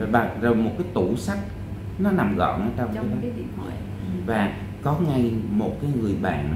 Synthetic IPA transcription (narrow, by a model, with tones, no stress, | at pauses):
a˨˩zo˨˩jmo˨˩t̚kaː˨˦jt̪u˧˩sa˦˥k̚ | nɔ˨˦na˨˩mɣɔ̰˧˨nʔəː˧˦t͡ɕɔ˧wŋ͡mka˨˦˨ | a˧˨ | vaː˨˩ | kɔ˨˦ŋa˧jmo˨˩t̚kaː˨˦jŋɨ˨˩əjɓa̰ː˧˨n